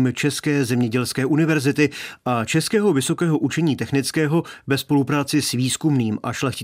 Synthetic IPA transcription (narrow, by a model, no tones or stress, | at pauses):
mt͡ʃɛskɛːzɛmɲɛɟɛlskɛːʔunɪvɛɾzɪt̪ɪʔat͡ʃɛskɛːɦo̞vɪso̞kɛːɦo̞ʔut͡ʃɛɲiːt̪ɛxnɪt͡skɛːɦo̞vɛspo̞lupɾaːt͡sɪsviːskumniːmʔa̰ʃlɛxcɪ